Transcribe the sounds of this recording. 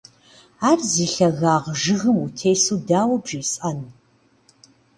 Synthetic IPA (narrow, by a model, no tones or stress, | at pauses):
aːrziːɬɐɣaːʁʒɨɣɨmutʰeːsuːdaːwɐbʒiːsʼɐnu